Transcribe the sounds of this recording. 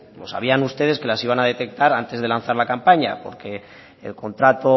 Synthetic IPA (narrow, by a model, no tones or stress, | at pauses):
lo̞sa̰β̞ianust̪e̞ð̞e̞ske̞lasiβ̞anað̞e̞t̪e̞k̚t̪aɾant̪e̞zð̞elan̟θaɾlakampaɲa̰po̞̰ɾke̞̰ː | lko̞nt̪ɾat̪o̞